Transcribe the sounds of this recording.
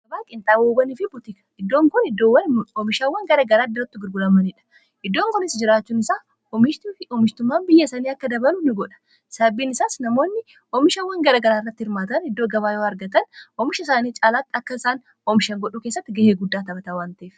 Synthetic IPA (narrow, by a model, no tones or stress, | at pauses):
ɡɐbaːkʼɪnt̪ʼaːwoːbɐniːfɪbʊt̪ɪkɐ̥ɪd̪ːo̞ːŋkɔnɪd̪owɐɔmɪʃawɐŋɡɐɾaɡɐɾaːd̪ɐɾɐt̪ːɪɡɪɾɡʊlɐmɐnɪᶑɐ̥ | ʔɪd̪ːo̞ːŋkɔnɪsd͡ʒɪɾaːt͡ʃːuːnɪsaː | ɔmɪʃt̪ːɪɔmɪʃt̪ʊmːaːnbɪjːɐsɐniːɐkːɐd̪ɐbɐlʊnɪɡɔᶑɐ̥ | sɐbiːnɪsaːsnɐmo̞ːnːɪ | ɔmɪʃɐwɐŋɡɐɾaːɡɐɾaːɪrːɐt̪ːɪhɪɾmaːt̪ɐnɪd̪ːoːɡɐβaːjoːɐɾɡɐt̪ɐnɔmɪʃɐɪsaːniːt͡ʃʼaːlaːt̪ːɐkːɐɪsaːn | ɔmɪʃɐŋɡɔᶑuːkeːsːɐt̪ːɪɡɐheːɡʊd̪ːaːt̪ɐbɐt̪ɐwaːnt̪ɐʔeːf